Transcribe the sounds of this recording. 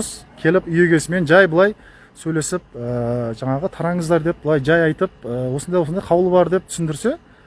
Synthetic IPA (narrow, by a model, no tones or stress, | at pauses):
skʲʰe̞lɪpʏje̞ɡʲe̞sɪme̞nʒɑjbəlˠɑj | sɵjle̞sɪp̚əʒɑɴɑʁət̪ʰɑɾɑɴəzd̪ɑɾd̪e̞p̚b̥əlˠɑjʒɑjɑjt̪əp̚əwo̞sənd̪ɑjwosnd̪ɑjqʰɑwlˠəbɑɾd̪e̞p̚t̪ʰʏsɪnd̪ɪɾse̞